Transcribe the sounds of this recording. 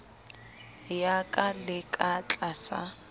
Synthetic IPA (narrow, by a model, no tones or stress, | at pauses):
jakʼalɪkʼat͡ɬʼasa̰